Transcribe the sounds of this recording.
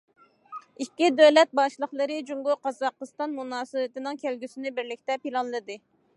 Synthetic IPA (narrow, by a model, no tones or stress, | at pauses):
ikʲːid̪øwlɛt̪̚bɑʃlˠəχlˠɨɾɨd͡ʒuŋɡuqɑzɑqːəst̪ɑnmunɑːsɨwɨt̪ɪnɪŋkʲʰælɡʲysɪnɪbɪɾlɪkʲt̪ɛpilˠɑnlˠɨd̪ɨ